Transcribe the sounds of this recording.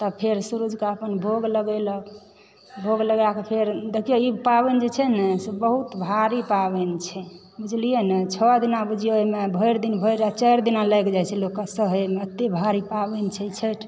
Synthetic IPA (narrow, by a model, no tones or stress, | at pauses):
t̪ɔpʰeɾsuɾud͡ʒkeəpənbʱoɡləɡɛlək | bʱoɡləɡakepʰeɾd̪ekʰijoipabend͡ʒet͡ʃʰɛnɛsebəɦut̪bʱaɾipabɛnt͡ʃʰɛ | bud͡ʒʱlijenet͡ʃʰɔad̪inabud͡ʒʱijoimebʱəjɾd̪inbʱəɾat͡ʃəjɾd̪inaləjkd͡ʒat͡ʃʰɛlokːasəɦəmət̪ːebʱaɾipabent͡ʃʰɛit͡ʃʰeʈʰ